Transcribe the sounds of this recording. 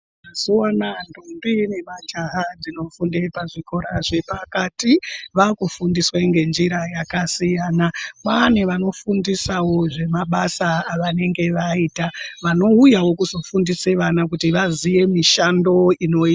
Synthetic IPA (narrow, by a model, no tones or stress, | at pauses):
azianandombine̞mad͡ʒaɦad͡zino̞fundepaʐiko̞ɾaʐepakatiʋakufundisweŋɡe̞nd͡ʒiɾajakasijaːnamaneʋano̞fundisawo̞ʐe̞maɓasaːʋane̞ŋɡe̞ʋaiːtaʋano̞ujawo̞kuzo̞fundise̞ʋanak̬utiʋazije̞miʃando̞ino̞i